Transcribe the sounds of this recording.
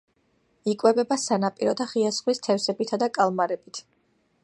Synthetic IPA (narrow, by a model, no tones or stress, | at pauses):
ikʼwɛbɛbasanapʼiɾɔd̪aχiasχwist̪ʰɛfsɛbit̪ʰad̪akʼalˠmaɾɛbit̪ʰ